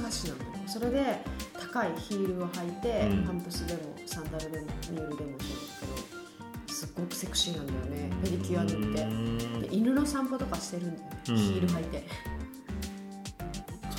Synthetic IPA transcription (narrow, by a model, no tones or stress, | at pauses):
aɕinã̰nd̪ajooso̞ɾe̞d̪e̞t̪ḁkaiçiːɾɯ̟ohait̪e̞hãmpɯ̟sid̪e̞mo̞̰sãnd̪aɾɯ̟d̪e̞moɲioid̪e̞mo̞neko | sɨɡːo̞kɯ̟̥sekɯ̥ɕinãnd̪ajo̞ne̞peɾʲikʲiad̪eit̪ːe̞d̪e̞̰ʔiɾɯ̟no̞sãmpo̞t̪o̞kaɕi̥t̪e̞ɾɯ̟̃nd̪ajonçiːɾɯ̟ɦait̪e̞